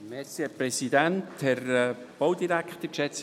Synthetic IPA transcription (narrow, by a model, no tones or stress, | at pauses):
mɛɾsihɛpɾɛsidɛnthɛɾ | b̥oʊdiɾæktəkʃɛt͡s